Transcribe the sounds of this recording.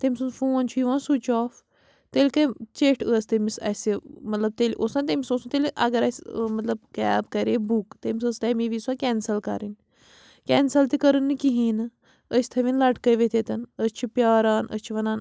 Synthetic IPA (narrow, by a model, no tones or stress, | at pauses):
t̪emʲisunfoːnt͡ʃʰujiʋãːnsut͡ʃɔːf | t̪elʲkɐt͡ʃeːʈʰəːst̪ɐmisɐ̰simɐt̪lɐb̚t̪eːliʔoːsãnt̪̬emʲisoːsunt̪eːliʔɐ̰ɡɐɾɐsʲmɐt̪lɐb̚kɛːbkɐɾeːbukt̪emisəst̪ɐmiʋiːswakʲɛːnsɐlkɐ̰ɾin | kʲɛːnsɐlt̪ikɐɾɨnːɨkiɦiːnɨ | əsʲt̪ʰɐʋinlɐʈkəjʋet̪eːt̪ɐnəst͡ʃʰipʲjaːɾaːnʔə̰st͡ʃʰiʋɐnaːn